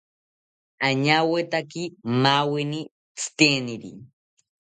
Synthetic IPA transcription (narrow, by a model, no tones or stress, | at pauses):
aɲawet̪akimaweni | t͡sʰɨ̥t̪eniɾḭ